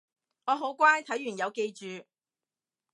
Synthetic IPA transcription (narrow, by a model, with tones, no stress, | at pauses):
ŋɔː˨˧ɦo˨˥wkʷaː˥jt̪ʰɐ˨˥jy˨˩njɐ˨˧wke˧jt͡ʃyː˨˧